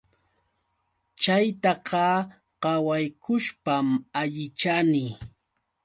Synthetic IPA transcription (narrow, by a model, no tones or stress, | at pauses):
t͡ʃajt̪ɑqɑ | ɢɑwajkʰʊʃpamaʎɪt͡ʃanɪ